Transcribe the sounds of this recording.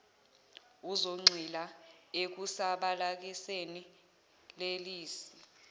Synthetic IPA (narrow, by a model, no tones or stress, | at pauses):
uzoŋ͡ǀʱilaek̬usaɓalak̬iseni | leliːsi